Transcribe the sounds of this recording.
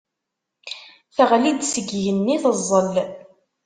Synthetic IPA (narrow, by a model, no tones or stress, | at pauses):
θæʁlid̪səɡjənːiθəzˤːəl